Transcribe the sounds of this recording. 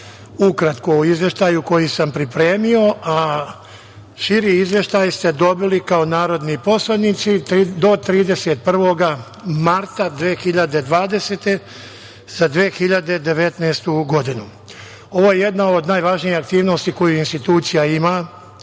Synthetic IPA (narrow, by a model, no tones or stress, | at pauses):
ukɾat̪kouizʋjeʃt̪aːjuko̞jisampɾipɾe̞ːmio̞ʔa | ʃiɾiizʋje̞ʃt̪aːjst̪e̞d̪o̞bilikao̞naːɾo̞d̪nipo̞slˠanit̪sid̪o̞t̪ɾiːd̪e̞set̪̚pr̩ʋo̞ɡa | maɾt̪ad̪ʋeːxiʎad̪e̞d̪ʋaːd̪e̞seːt̪e̞ | z̥ad̪ʋeːxiʎad̪e̞d̪e̞ʋe̞t̪neːst̪uɡo̞d̪inu | o̞ʋojeje̞d̪nao̞d̪naːjʋaʒnijihak̚t̪iːʋno̞st̪iko̞juinst̪it̪uːt̪sijaima